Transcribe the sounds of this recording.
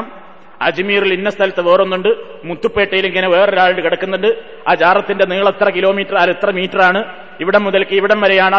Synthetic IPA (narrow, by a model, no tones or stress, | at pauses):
m | ɐ̰d͡ʑimiːrilinːɐst̪ʰɐlɐt̪ːɨʋoːronːuɳɖɨ | mut̪ːupːe̞ːʈːɐjiliŋːɐneʋe̞ːreɾaːɭilkiɽɐkːunːuɳɖɨ | aːd͡ʑaːrɐt̪ːinde̞niɣɐɭɨt̪ːrɐkilo̞ːmiːtːɐraːlɨt̪ːrɐmiːtːɐraːɳɨ | iʋiɽemːuðɐlkːɨiʋiɽemʋɐɾejaːɳɐ